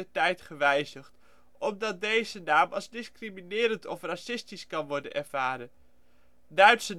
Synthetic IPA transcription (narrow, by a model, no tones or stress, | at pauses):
əɹtɛjtχəʋɛjzəχt | ɔmdɑt̚dejzənaːmʔɑzdɪskriminɪːɾəntɔfrasɪstiskɑnʋɔɹdə̰nɛ̰ɹv̥aːɾən | dœɥtsə